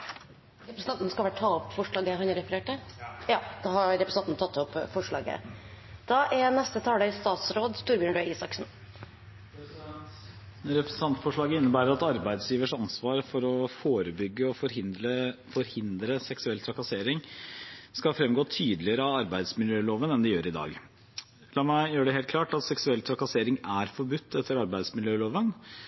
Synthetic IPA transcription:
ɾɛpɾəsn̩ɑnt̪nskɑʋæʈʈʰɑɔpfɔʂɭɑːɡəɦhɑnɾɛfəɾeːʈəjɑːd̪̥ɑhɑɾɛpɾəsnɑnnt̪ʰɑt̪ːɔpːfɔʂɭɑ̰ːɡə̰d̪̥ɑʔɛɾnɛst̪ət̪ʰɑːd̪əst̪ɑːt̪sɾoːd̪st̪uːɾbjøːɳɖøiːsɑksn̩ | ɾɛp̪ɑnt̪fɔʂɭɑːɡəɪnːəbæːɾəɾɑt̪ɑɾbæɪd̪sjiːʋəʂɑnsʋɑːɾfɔɾɔfoːɾəbʏɡːəɔfɔɾhɪəfɔɾhɪnd̪ɾəsɛksʉɛlt̪ʰɾɑkɑseːɾɪŋ | skɑlfɾɛmɡoːt̪ʰyːd̪lɪəɾəɑɑɾbæɪd̪smɪljøːloːʋənɛnd̪ɪjøːɾɪd̪ɑ̰ːɡ | lɑːmæɪjøːɖɛɦeːlt̪kʰlɑːʈɑt̪sɛksʉɛlt̪ʰɾɑkɑseːɾɪŋæɾfɔɾbʉt̪ʰːɛt̪ʰːəɾɑɾbæɪd̪smɪljøːloːʋən

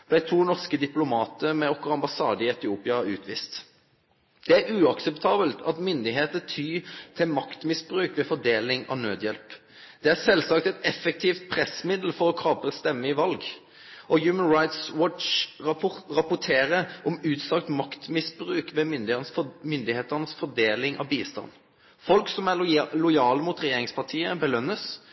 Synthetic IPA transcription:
d̪æɪt̪ʰuːnɔʁskəd̪ɪplʊmɑːt̪əmɛɔkːʁɑmbɑsɑ̰ːd̪əɪɛt̪ɪuːpɪɑʉːt̪ʰʋiːst̪ | d̪̥ɛæɾʉːɑksɛpt̪ʰɑːbəlt̪ʰɑt̪mʏnd̪ɪɦeːt̪ət̪ʰyːt̪ʰɪlmɑkt̪mɪsbʁʉːkʋɛfɔd̪eːlɪŋɑ̰ʋnøːd̪jɛlp | d̪̥ɛæsɛlsɑk̚t̪ɛt̪ɛfɛk̚t̪ʰiːft̪̚pʰʁɛsːmɪd̪l̩fɔʁɔkʰɑːpəst̪ɛmːəɪʋɑlɡ | ʔɔjʉːmənɹaɪt̪swɔt͡ʃ | ɾɑpʊt̪ʰeːɾəʔɔmʉːt̪sɑkt̪mɑkt̪mɪsbɾʉːkʋɛmʏnd̪ɪenəsmʏnd̪ɪheːt̪əʁnəsfɔd̪eːlɪŋɑ̰ʋbiːst̪ɑ̰nː | fɔlksɔmælʊjɑːləmʊt̪ɾɛjeːɾɪŋspʰɑʁt̪ʰiːəbəlœnːəs

